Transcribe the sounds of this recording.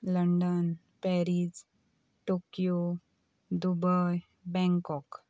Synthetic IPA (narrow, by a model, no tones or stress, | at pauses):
ləɳɖən | pɛɾid͡ʑ | ʈokijo | d̪ubəj | bɛ̃ŋkɔk